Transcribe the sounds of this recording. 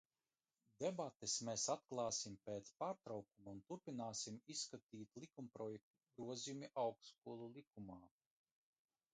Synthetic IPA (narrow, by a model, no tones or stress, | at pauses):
d̪ebat̪esmɛsat̪̚klˠɑːsimpeːt̪spaːɾt̪ɾawkumaunt̪uɾpinaːsimisːkat̪iːt̪lˠikumpɾɔjɛk̚t̪uɡɾuɔzijumiʔawkskuɔlˠulˠikumaː